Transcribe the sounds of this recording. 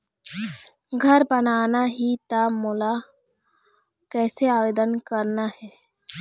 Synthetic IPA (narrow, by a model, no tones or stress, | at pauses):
ɡʱəɾbənaːnaɦit̪aːmola | kɛːseaːʋeːd̪ənkəɾnaɦɛː